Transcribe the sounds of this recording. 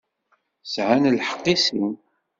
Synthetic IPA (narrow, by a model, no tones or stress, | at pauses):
sʕanlħə̥qːisim